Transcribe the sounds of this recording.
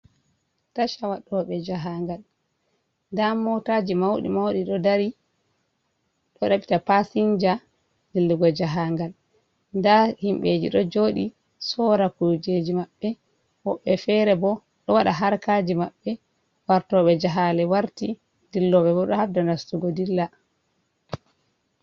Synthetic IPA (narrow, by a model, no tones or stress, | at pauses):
taʃawaɗɔɓɛd͡ʒaɦaŋɡal | ndamɔtaːd͡ʒimawɗḭmawɗiɗɔdaɾi | ɗɔɗaɓi̥tapasiɲd͡ʒa | dilːuɡɔd͡ʒaɦaŋɡal | ndahimɓed͡ʒḭɗɔd͡ʒoɗi | sɔɾakud͡ʒed͡ʒimaɓːɛ | wɔɓːɛfɛɾɛbɔ | ɗɔwaɗaɦaɾkad͡ʒimaɓːɛ | waɾtɔɓɛd͡ʒaɦalɛwaɾti | dilːɔɓɛbɔɗɔhabdanastuɡɔdilːa